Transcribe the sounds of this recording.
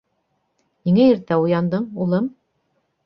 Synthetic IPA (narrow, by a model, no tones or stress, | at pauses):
jiŋæjiɾt̪æujɑnd̪ɯmulˠɯm